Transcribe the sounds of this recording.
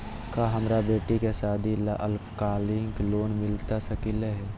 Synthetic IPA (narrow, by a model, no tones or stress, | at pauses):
kaɦəmɾabeːʈikesaːd̪ʱilaʔəlpkaːlɪŋɡloːnmɪlt̪asəkileɦɛː